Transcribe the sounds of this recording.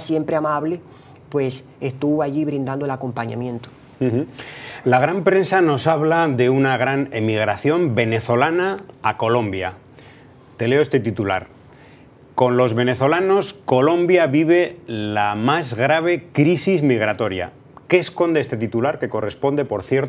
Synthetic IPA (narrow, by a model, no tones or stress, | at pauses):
sje̞mpɾeamaβle | pwes | est̪uβoaʎiβɾind̪and̪oelako̞mpaɲa̰mjẽ̞nt̪o̥ | h̩x̩laɣ̞ɾampɾe̞nsano̞saβlaðe̞unaɣ̞ɾane̞miɣ̞ɾaθjo̞mbe̞ne̞θo̞lanaːko̞lõ̞mbja̰ | t̪e̞leoe̞st̪e̞t̪it̪ula̰ɾ | ko̞nlo̞zβe̞ne̞θo̞lano̞sko̞lo̞mbjaβiβ̞e̞lamazɣɾaβ̞e̞kɾisizmiɣ̞ɾat̪o̞ɾja̰ | ke̞ːsko̞nd̪eest̪e̞t̪it̪ulaɾke̞ko̞re̞spo̞nd̪e̞po̞ɾθje̞ɾt